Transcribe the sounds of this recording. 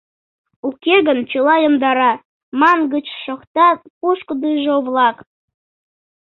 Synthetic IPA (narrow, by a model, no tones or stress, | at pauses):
ukʲeɣənt͡ɕəlɑjəmd̪ɑɾɑ | mɑnɡət͡ɕʃokt̪ɑpuʃkəd̪ɨʒoβlˠɑk